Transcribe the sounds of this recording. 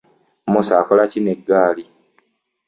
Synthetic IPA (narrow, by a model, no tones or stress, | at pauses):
musaːkolacineɡːaːli